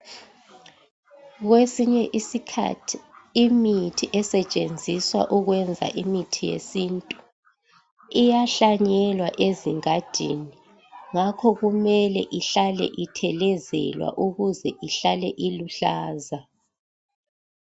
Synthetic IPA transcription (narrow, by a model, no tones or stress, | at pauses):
ɣwesiɲɛʔisikʰa̰tʰi̥ːmitʰiʔɛsɛt͡ʃʼend͡zʱiswa̰ʔuɣwɛnd͡zʱa̰ʔimitʰijḛsintʼu̥ | ijaɬaɲɛlwaʔeziŋad̥ʱḭni | ŋakʰɔɣumɛlɛʔiɬalɛ̰ʔitʰɛlɛzɛ̰lwa̰ʔuɣuzɛʔiɬalɛʔiluɬaːza